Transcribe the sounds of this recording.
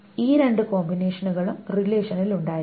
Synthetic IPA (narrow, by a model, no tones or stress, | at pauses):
iːɾe̞ɳɖɨko̞ːmbine̞ːʂɐnuɣɐɭumrileːʂɐniluɳɖaːj